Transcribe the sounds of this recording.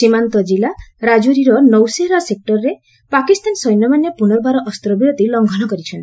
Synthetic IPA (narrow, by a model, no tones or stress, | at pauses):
simant̪ɔd͡ʒilaɾad͡ʒoɾiɾɔnɔwseɾasek̚ʈɔɾɾe | pakist̪ansɔjnːɔmanjapunɔɾbʱaɾɔʔɔst̪ɾɔbiɾot̪ilɔŋɡʱɔnɔkɔɾit͡ʃʰɔn